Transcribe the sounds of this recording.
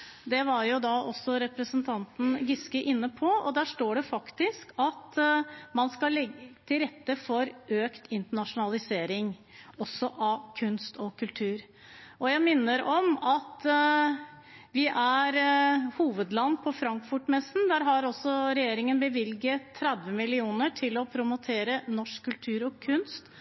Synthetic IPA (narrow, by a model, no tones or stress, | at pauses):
d̪ɛʋɑɾjʊd̪ɑʔɔsɔɾɛpɾəsənt̪ʰɑnt̪n̩ɡɪskəʔɪnːəpʰɔɔ̰d̪æːʂʈoːɖɛfɑkt̪ɪskʰɑt̪mɑnskɑlɛɡət̪ʰɪlɾɛt̪ːəfɔɾøːkt̪ʰɪnt̪əɳɑʂʊnɑlɪseːɾɪŋɔsːɔʔɑkʰʉnst̪ʰɔkʰʉlt̪ʰʉːɾ | ɔjæɪmɪnːəɾɔmɑt̪ | ʋɪʔæɾhuːʋəd̪lɑnːpʰɔfɾɑŋkfʊʈmɛsn̩d̪æɾɦɑɾɔsːɔɾɛjeːɾɪŋənbəʋɪlɡəːɾɛd̪ʋəmɪlɪuːnəʈʰɪlɔpʰɾʊmʊt̪ʰeːɾənɔʂkʰːʉlt̪ʰʉːɾɔkʰʉnst̪